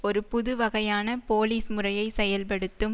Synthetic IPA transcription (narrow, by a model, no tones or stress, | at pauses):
ɔɾɯpʊðɯʋɐɣɐjaːnɐpoːliːsmɯrɐjɐɪsɛjɐlp̬ɐɽɯt̪ːɯm